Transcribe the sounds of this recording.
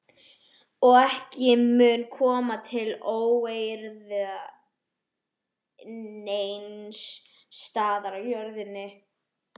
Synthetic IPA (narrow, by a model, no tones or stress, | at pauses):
ɔɣɛhcɪmʏːnkʰɔːmat̪ʰɪloːwejɾðʏa | nejnsː | t̪aːðaɾajœɾðɪnːɪ